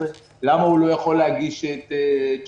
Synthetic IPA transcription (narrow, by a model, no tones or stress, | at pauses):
e | lamaulo̞jaχo̞lːeɦaɡiʃet̪t͡ʃ